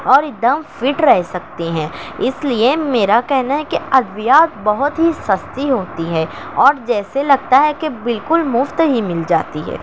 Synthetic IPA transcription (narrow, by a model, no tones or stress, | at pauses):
ɔːɾɪd̪əmfɪʈɾɛɦsɐk̚t̪eɦɛ̃ːɪsliemeːɾakɛɦnaɦɛkeɐd̪ʋjaːt̪bɐɦʊt̪ɦisɐst̪iɦoːt̪iɦɛː | ɔːɾd͡ʒɛːselɐɡ̚t̪aɦɛkebɪlkʊlmʊft̪ɦimɪld͡ʒa̰ːt̪iɦɛ̰ː